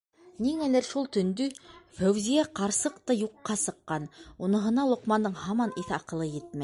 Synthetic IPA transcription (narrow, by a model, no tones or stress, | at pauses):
niŋælæɾʃulˠt̪ɵ̆nd̪ɵfæwzijæqɑɾsɤqt̪ɑjuqːɑsɤ̆qːɑnunɤ̆ɦɤ̆nɑlˠŏqmɑnd̪ɤɴhɑmɑniθɑqɤ̆lˠɤjɘt̪̚mæj